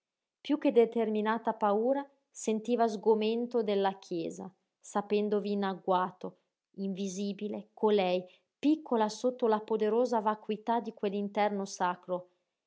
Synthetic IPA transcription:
pjuked̪et̪erminaːt̪apauːɾa | sent̪iːvazɡoment̪od̪elːakʰjɛːza̰ | sapɛnd̪oviːnaɡwaːt̪o | iɱviziːbilekʰolɛj | pikʰːolasot̪ːolapod̪eɾoːzavakwit̪ad̪ikwelːint̪ɛrnosakɾo

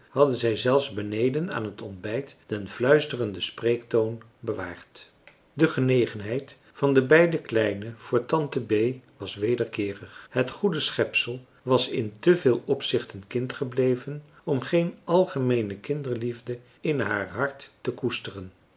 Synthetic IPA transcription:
hɑdənzɛjzɛlˠfzbənejdəna̰ːnɦətɔnbɛjtd̥ɛnvlœɥstərəndəsprejktown | bəʋa̰ːɹt | dəχənejχənɦɛjt | fɑndəbɛjdəklɛjnəv̥ʊːɹtɑntəbejʋɑsʋejdəɹkɪːrəχɦətχudəsχɛpsəlˠ | ʋɑsɪntəvɪːlˠɔpsɪχtənkɪntχəblejvən | ɔmχejnɑlˠχəmejnəkɪndəɹlivdə | ɪnɦaːɹɦɑɹtːəkustərən

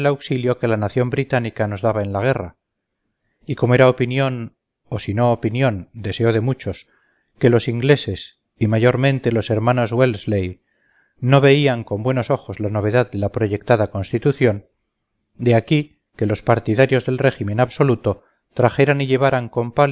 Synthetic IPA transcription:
lawksiljoke̞lanaθjo̞mbɾit̪anikano̞zðaβae̞nlaɣ̞e̞ra | iko̞moeɾaopinjo̞n | o̞sino̞ːpinjõ̞nd̪e̞se̞oð̞e̞mut͡ʃo̞s | ke̞lo̞siŋɡle̞se̞s | imaʝo̞ɾmẽ̞nt̪e̞lo̞se̞ɾmãno̞zwelzlej | no̞βe̞iaŋko̞mbwe̞no̞so̞xo̞zlano̞β̞e̞ðaððe̞lapɾo̞ʝe̞k̚t̪aðako̞nst̪it̪uθjo̞n | d̪eaki | ke̞lo̞spaɾt̪iðaɾjo̞zðe̞lre̞ximẽ̞naβso̞lut̪o̞ | t̪ɾaxe̞ɾaniʎe̞β̞aɾaŋko̞mpal

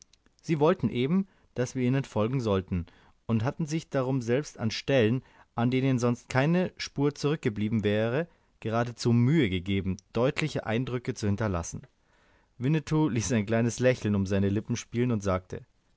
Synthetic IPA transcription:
z̥iːvɔltn̩ʔeːbm̩ | d̥asv̥iːɐiːnənfɔlɡŋ̩zɔltn̩ | ʊntɦatn̩zɪçd̥aʁʊmzɛlpstanʃtɛlən | ʔandeːnənzɔnst̚kʰaɪnəʃpuːɐt͡suʁʏk̚ɡ̥əbliːbm̩vɛːʁə | ɡ̥əʁaːdət͡suːmyːəɡəɡeːbm̩d̥ɔʏtʰlɪçəʔa̰ɪndʁʏkət͡suhɪntɐla̰sn̩ | vɪnətʰuliːsaɪnkl̥aɪnəslɛçl̩nʊmzaɪnəlɪpm̩ʃpiːlənʊntz̥aːk̚tʰə̰

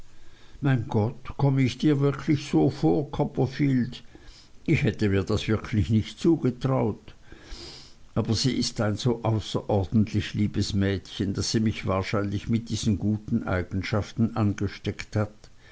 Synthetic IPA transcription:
maɪnɡ̥ɔtkʰɔməɪçd̥iːɐvɪʁkʰlɪçsoːfoːɐkʰɔpɐfiːld | ʔɪçhɛtəmiːɐd̥asv̥ɪɐkʰlɪçnɪçtt͡suːɡ̥ətʁ̥aʊt | ʔaːbɐziːʔɪstaɪnz̥oːʔaʊsɐ̰ʔɔɐd̥n̩tʰlɪçliːbəsmɛːtçənd̥asiːmɪçv̥aːɐʃaɪnlɪçmɪt̚d̥iːz̥ən̩ɡuːtn̩ʔa̰ɪɡ̥n̩ʃaftn̩ʔanɡəʃtɛkthat

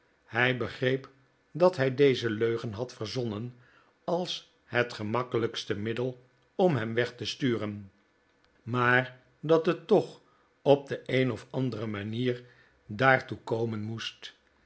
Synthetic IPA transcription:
hɛjbəχrejp | dɑtɦɛjdejzəløɥχənɦɑtfərzɔnən | ɑlˠs | hətχəmɑkələkstəmɪdəlˠ | ɔmɦɛmʋɛχtəstyːrən | maːr | dɑtɦətːɔχ | ɔb̚dəejnɔfɑndərəmaniːɹ | daːɹtukowmənmust

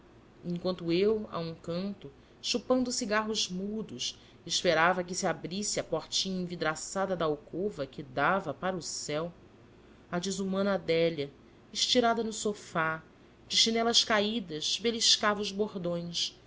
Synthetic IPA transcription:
ẽŋkwɐ̃nt̪ʊewa̰ũkɐ̃nt̪ʊ | ʃupɐ̃nd̪ʊsiɡaɦʊzmud̪ʊs | eʃpeɾavɐkɪsiabɾisɪɐpoɾt͡ʃĩɲẽj̃vid̪ɾasad̪ɐd̪ɐawkovɐkɪd̪avɐpaɾɐusɛw | ad͡ʒɪzumɐ̃nad̪ɛʎɐ | ɪʃt͡ʃiɾad̪ɐnʊsofa | d͡ʒɪʃinɛlɐʃkaid̪ɐzbeliʃkavɐuzboɾd̪õj̃s

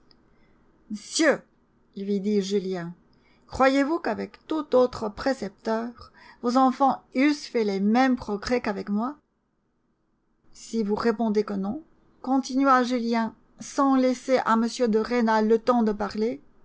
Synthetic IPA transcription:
məsjø | lɥid̪iʒyljɛ̃ | kχwajevukavɛkt̪ut̪ot̪χəpχesɛp̚t̪œːʁ | vozɑ̃fɑ̃ysfɛlemɛmpχɔɡʁɛkavɛkmwa | sivuʁepɔ̃d̪ekənɔ̃ | kɔ̃t̪inɥaʒyljɛ̃ | sɑ̃lɛseʔaməsjød̪əʁenalət̪ɑ̃d̪əpaʁle

